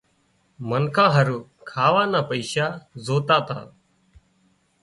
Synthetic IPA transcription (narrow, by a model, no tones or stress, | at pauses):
mənkʰãːɦəɾuːkʰaːʋaːnaːpəɪʃaːzoːt̪aːt̪a̰ː